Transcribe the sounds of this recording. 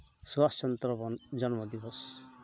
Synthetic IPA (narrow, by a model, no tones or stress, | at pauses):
swast͡ʃɔnt̪ɾɔbɔnd͡ʒɔnmɔd̪ibɔs